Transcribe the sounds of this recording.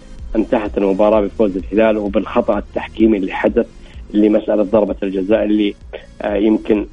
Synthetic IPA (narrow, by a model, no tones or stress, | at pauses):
ʔɪmt̪aħat̪ɪlmʊbɑːɾˤɑːbɪfoːzɪlhɪlaːlwbɪlxɑt̪ˤɑʔɪt̪ːaħkiːmiʔɪlːiħad̪aθ | ʔɪlːimasʔalat̪̚ðˤɑɾˤbɑld͡ʒazaːʔlːi | jɪmkɪn